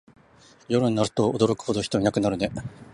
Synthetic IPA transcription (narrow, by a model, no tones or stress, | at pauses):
jo̞ɾɯɲ̟inaɾɯ̟̥t̪o̞od̪o̞ɾo̞kɯ̟̥ho̞d̪o̞çi̥t̪o̞ɲinakɯ̟naɾɯ̟ne̞